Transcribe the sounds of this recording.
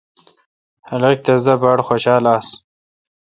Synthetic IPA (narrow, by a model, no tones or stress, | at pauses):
hɐlek̚t̪ɐzd̪abɑːɽxoɕɑːlaːs